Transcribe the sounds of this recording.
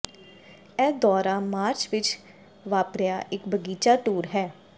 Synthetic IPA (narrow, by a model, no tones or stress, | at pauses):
ɛːd̪ɔːɾaːmaːɾt͡ʃʋɪt͡ʃ | ʋaːpɾɪjaːʔɪkbəɡiːt͡ʃaːʈuːɾɦɛː